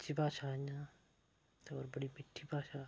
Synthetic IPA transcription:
t͡ʃibaːt͡ʃaːɲã | t̪ɔ̰ɾbɐɽimiʈʰːibaːʃaː

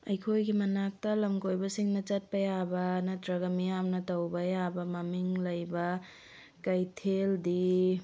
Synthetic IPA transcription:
ɐ̰jkʰojɡimɐnak̚tɐlɐmkojbɐsiŋnɐt͡ʃɐt̚pɐjabɐnɐtɾɐɡɐmijamnɐtɐwbɐjabɐmɐmiŋlɐjbɐ | kɐjtʰeldi

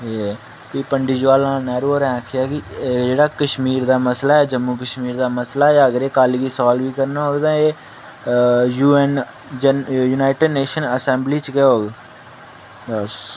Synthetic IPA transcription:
e | piːpəɳɖid͡ʒʋaːlãːnɛːɾoːɾɛ̃ːkʰɪjaːkɪd͡ʒeːɽaːkəʃmiːɾd̪aːməslaːɛːd͡ʒəmːuːkəʃmiːɾd̪aːməslaːaːəɡəɾeːkaːliɡiːsɔːlʋiːkəɾnaːɦoːɡd̪ãːeː | juːɛːn | d͡ʒjuːnaːɪʈəɖneːʃənəsɛ̃ːmbliːt͡ʃkeɦoːɡ | əs

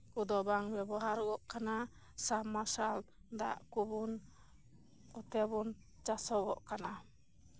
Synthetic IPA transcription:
kud̪ɔbaŋbɛbaɦaɾɡɔʔkana | samːasal | d̪a̰ʔkubun | ɔt̪ɛbun | t͡ʃasɔɡɔ̰ʔkana

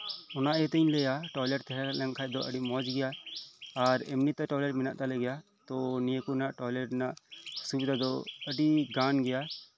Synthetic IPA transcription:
ɔnaʔjɛt̪əɲlɛjaʈɔjlɛʈt̪ʰɛɦɛlɛŋkʰajd̪ɔʔəɖimɔd͡ʒɡɛjaː | ɾɛmnit̪ːɛʈɔjlɛʈmina̰ʔt̪alɛɡɛja | t̪ɔnijəkunaʔʈɔlɛʈnaʔsubid̪ʱad̪ɔəɖiɡanɡɛja

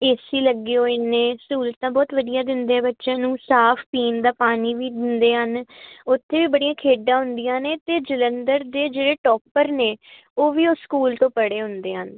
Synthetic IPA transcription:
eːsiːləɡːiːɦoːiːneːskuːlət̪t̪ãːbɔːt̪ʋəd̪ijãːd̪ɪnd̪eːɛːbətːʃãːnũːsaːpʰpiːnd̪aːpaːniːʋiːd̪ɪnd̪eːɦənʊt̪ʰːeːʋiːbəɽijãːkʰeːɖːãːɦʊnd̪ɪjãːneːt̪eːd͡ʒɪlənd̪əɾd̪eːd͡ʒeːɽeːʈɔːpːəɾneː | oːʋiːoːskuːlt̪õːpəɽeːɦʊnd̪eːɦən

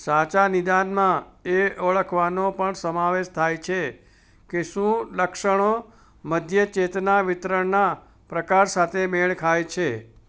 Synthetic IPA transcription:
sãt͡ʃanɪd̪anmãeəɭəkʰʋanopəɳsəmaʋeʃt̪ʰajt͡ʃʰe | keʃũləkʃəɳ̃o | məd̪ʱjət͡ʃet̪naʋɪt̪ɾəɳna | pɾəkaɾsat̪ʰemeɭkʰajt͡ʃʰe

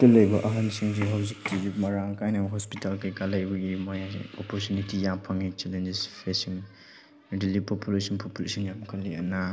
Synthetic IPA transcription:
tɐlɐjbɐʔɐɦansiŋziɦawzik̚tiɡimɐɾaŋkajnɐɦɔspitalkʰekalajbɐɡimojɔpɔɾtjunitijampʰaŋit͡ʃelend͡ʒespʰesiŋ | dilipopulesɔnpʰopulesɔnjamkʰɐlːiɐ̰na

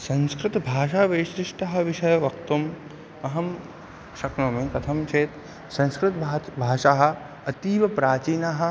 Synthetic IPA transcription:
sɐ̃nskɾɪt̪bʱaːʃaːʋeʃɾɪʂʈɐɦɐ̆ʋɪʃɐjɐʋɐk̚t̪um | ɐɦɐm | ʃɐknoːmẽːkɐt̪ʰɐmt͡ʃʰeːt̪ | sɐ̃nskɾɪt̪ːbʱaːʃaɦɐ̆ | ɐt̪iːʋɐpɾaːt͡ʃiːnaɦɐ̆

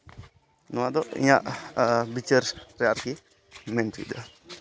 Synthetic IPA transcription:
nɔwaʔd̪ɔʔḭɲaʔbit͡ʃəɾɾɛjaɾki | mɛnt̪ṵd̪a

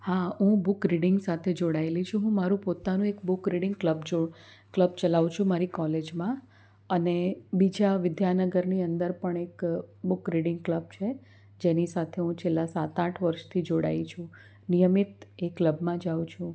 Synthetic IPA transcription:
haɦũbʊkɾiɖɪŋɡsat̪ʰed͡ʒoɽaelit͡ʃʰũɦũmaɾũpot̪anũekbʊkɾiɽɪ̃ŋɡkləbd͡ʒo | kləb̚t͡ʃəlaʋut͡ʃʰũmaɾikɔled͡ʒmã | ənebid͡ʒaʋɪd̪janəɡəɾniənd̪əɾpəɳekbʊkɾiɽɪ̃ŋɡkləb̚t͡ʃʰe | d͡ʒenisat̪ʰeɦũt͡ʃʰelːasat̪ãʈʰʋəɾʃt̪ʰid͡ʒoɽa̰it͡ʃʰũ | nijəmit̪ekːləbmãd͡ʒaʋut͡ʃʰũ

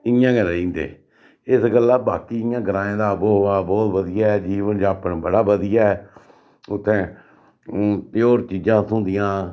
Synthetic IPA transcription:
ɪjãːɡəɾãːĩːnd̪ḛː | ɪsɡəlːaːbaːkiːɪjãːɡəɾãːẽːd̪aːboːɦoːaːbɔːt̪ʋəd̪ɪjaːɛːd͡ʒiːʋənd͡ʒãːpnbəɽaːbəd̪ɪjaːɛː | ʊt̪ʰːẽː | t̪ɪoːɾt͡ʃiːd͡ʒãːsʊ̃ːd̪ɪjãː

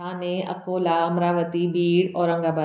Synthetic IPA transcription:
aːnẽʔɐ̰koːlaːmɾaːʋət̪ibiːɽɔːɾɐ̃ŋɡaːbə

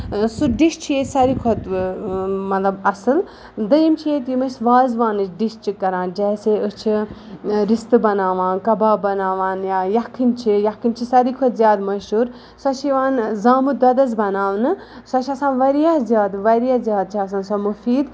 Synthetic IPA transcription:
suɖiʃt͡ʃʰijesɐɾikʰot̪ | mɐt̪lɐbɐsɨl | d̪ɐjimt͡ʃʰijet̪jimɨsʋaːzʋaːnɨt͡ʃʰɖiʃt͡ʃʰikːɐɾãːnd͡ʒɛːseːɨst͡ʃʰi | ɾist̪ɨbɐnaːʋãːnkɐbaːbɐnaːʋaːnjaːjɐkʰːinʲt͡ʃʰijɐkʰːinʲt͡ʃʰisɐɾikʰot̪zjaːd̪mɐʃuːɾ | sɐt͡ʃʰiʋaːnzaːmud̪ɐd̪ɐzbɐnaːʋnɨ | sɐt͡ʃʰɐsãːnʋɐɾijaɦzʲjaːd̪ʋɐɾijaːzʲjaːd̪̚t͡ʃʰiɐs̬aːnsɔmufiːd̪

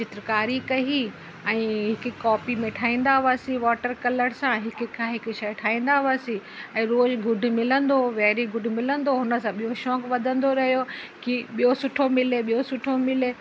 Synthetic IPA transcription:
t͡ɕɪt̪ɾkaːɾikɐɦi | ɛ̃ːɦɪk̆kɔːpimẽʈʰaːĩːn̆d̪aʊaːsĩʋɔːʈəɾkɐləɽsãɦɪkʊ̆kʰaɦɪkʊ̆ʃɐjʈʰaːĩːnd̪aʋaːsĩɛ̃ːɾoːzɡʊɖʱʊ̆mɪlə̃nd̪oʋɛːɾiɡʊɖ̆ʱmɪlə̃nd̪oɦʊnə̆sãɓijoʃɔːkʋɐd̪ʱə̃nd̪oɾɐɦijokiɓijosʊʈʰomɪleɓijosʊʈʰomɪleː

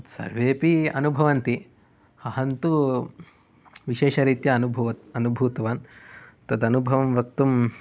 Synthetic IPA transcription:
sɐ̰ɾʋeːpiɐ̰nubʱɐʋɐnt̪i | hɐɦɐnt̪u | ʋiʃeːʃɐɾit̪jɐːnubʱuʋɐt̪ɐnubʱuːt̪ɐʋaːnt̪ɐd̪ɐnubʱɐʋɐmʋɐk̚t̪um

